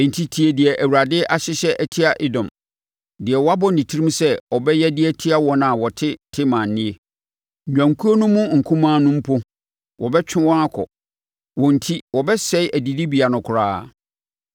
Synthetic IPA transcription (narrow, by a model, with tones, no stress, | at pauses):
n̩˨tʰi˨tʰi˨e˨dɪ˨ɛ˨ʔæ˨wu˨ɾa˨dɪ˦ʔa˨ɕɪ˦ɕɛ˦ʔæ˨tʰi˦a˨ʔɪ˦dɔ̃˨m | dɪ˨ɛ˨wɔ˦a˦bɔ˦nĩ˨tʰi˦ĩ˦m˦sɛ˦ɔ˨bɛ˦jɛ˦dɪ˦ɛ˦tʰi˦a˦wɔ̃˦nã˨wɔ˨tʰɪ˦tʰɪ˦mã˨n̩˨nːɪ̃˦e˦˨ | ɲᶣã˨ŋkʰu˦o˦nʊ̃˦mʊ̃˦ŋ̩˨kʰũ˦mãː˦nʊ̃˦m̩˦pʰʊ˦ | wɔ˨bɛ˦t͡ɕᶣɪ̃˦wɔ̃˦na˦kʰɔ̰˨ | wɔ̃˨n̩˨tʰi˦wɔ˨bɛ˦sɛ˦ɪ˦ʔæ˨di˨di˦bi˨a˨nʊ̃˨kʰʊ˨ɾaː˦˨